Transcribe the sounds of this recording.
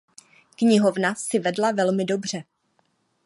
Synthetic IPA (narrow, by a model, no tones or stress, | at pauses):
kɲɪɦo̞vnasɪvɛdlavɛlmɪdo̞br̝̥ɛ